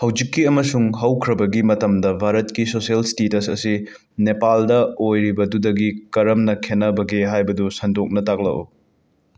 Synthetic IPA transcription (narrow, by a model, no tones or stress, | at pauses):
hɐwd͡ʒikːiɐmɐsuŋɦɐwkʰɾɐbɐɡimɐtɐmdɐbʱaɾɐtkisosɐlstetɐsɐ̰si | nepaldɐojɾibɐdudɐɡikɐɾɐmnɐkʰenɐbɐɡeɦajbɐdusɐndok̚nɐtak̚lɐ̰ʔṵ